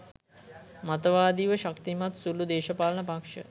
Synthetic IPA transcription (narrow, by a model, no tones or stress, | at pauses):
mat̪əʋaːd̪iːʋəʃakt̪imat̪sulud̪eːʃəpaːlənəpakʂə̰